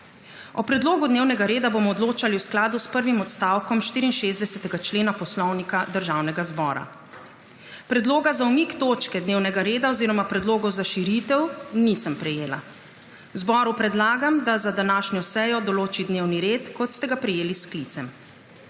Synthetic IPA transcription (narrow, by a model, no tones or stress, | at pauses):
ɔpɾɛd̪loːɡud̪neːwnɛɡaɾeːd̪abomɔːd̪loːt͡ʃaliwsklaːd̪uspəɾʋimɔt̪st̪aːwkɔmʃt̪iːɾiːnʃeːzd̪ɛsɛt̪ɛɡat͡ʃleːnapɔslɔwnikad̪əɾʒaːwnɛɡazbɔːɾa̰ | pɾɛd̪loːɡazaumikt̪oːt͡ʃkɛd̪neːwnɛɡaɾeːd̪aɔziːɾɔmapɾɛd̪loːɡɔwzaʃiɾit̪ɛwnisəmpɾɛjeːla̰ | wzbɔːɾupɾɛd̪laːɡamd̪azad̪anaːʃnjɔsɛjɔd̪ɔloːt͡ʃid̪newniɾeːt̪kɔt̪st̪ɛɡapɾɛjeːlisklit̪sɛm